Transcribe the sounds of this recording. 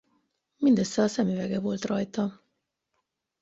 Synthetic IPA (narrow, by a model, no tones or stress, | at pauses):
mind̪øsːɛɒsɛmyvɛɡɛvo̞lt̪rɒjt̪ɒ